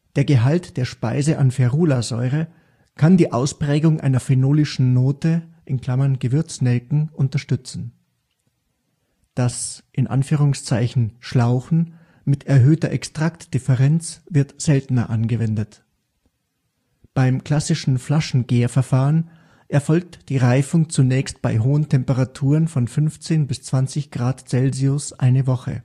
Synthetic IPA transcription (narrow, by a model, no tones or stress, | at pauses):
d̥eːɐɡəɦaltd̥eːɐʃpaɪzəʔa̰nfɛɐʁuːlazɔʏʁ̞ə | kʰandiːʔaʊspʁ̥ɛːɡʊŋʔa̰ɪnɐfenoːlɪʃn̩ːoːtəʔɪnkl̥amɐnɡəvɪɐt͡snɛlkŋ̩ʔʊntɐʃtʏt͡sn̩ | d̥asʔɪnʔa̰nfyːʁ̞ʊŋst͡saɪçn̩ʃlaʊxn̩ | mɪtʰɛɐɦøːtɐʔɛkstʁ̥aktd̥ɪfɛʁɛnt͡sv̥ɪɐtz̥ɛltn̩ɐ̰ʔanɡəvɛndət | b̥aɪmkl̥asɪʃn̩flaʃn̩ɡeːɐfɛɐfaːʁən | ʔɛɐfɔlk̚td̥iːʁaɪfʊŋt͡sunɛːçstb̥aɪɦoːəntʰɛmpəʁatʰuːʁənfɔnfʏnft͡seːnbɪst͡sv̥ant͡sɪçɡ̥ʁaːtt͡sɛlziʊsʔaɪnəvɔχə̰